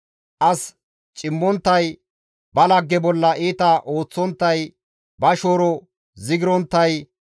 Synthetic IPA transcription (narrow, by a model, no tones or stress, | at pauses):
ʔɐs | t͡ʃʼɪmːɔnt̪ːɐj | bɐlɐɡːɛbɔlːɐʔiːt̪ɐʔo̞ːt͡sːɔnt̪ːɐj | bɐʃoːɾɔ | zɪɡɪɾɔnt̪ːɐj